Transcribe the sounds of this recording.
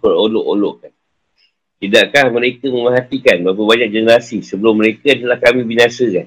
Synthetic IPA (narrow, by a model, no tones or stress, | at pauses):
ərolɔʔolɔʔkan | t̪idaʔkahməɾekəməməɦat̪ikanbaap̬əbaɲak̚d͡ʒənəɾasisəbəlʊmːəɾekat̪əlahkamĩbinasəkan